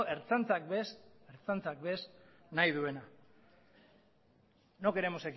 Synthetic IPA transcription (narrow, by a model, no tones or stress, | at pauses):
ʔe̞ɾt͡sant͡sak̚beseɾt͡sant͡sakbe̞s | najðue̞na | no̞ke̞ɾe̞mose̞k